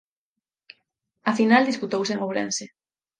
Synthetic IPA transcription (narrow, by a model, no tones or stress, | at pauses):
afinald̪isput̪owseŋoβɾḛnse